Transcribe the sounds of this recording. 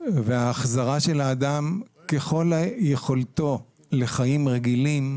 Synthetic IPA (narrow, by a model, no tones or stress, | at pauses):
veaːχzaʁaʃe̞laːd̪amke̞χo̞laje̞χo̞lt̪o̞ | le̞χajimʁeɡilim